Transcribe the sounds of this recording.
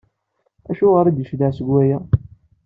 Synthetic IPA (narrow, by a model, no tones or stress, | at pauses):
æʃʊʁəɾæd̪əʃd̪aʕsəɡwæjæ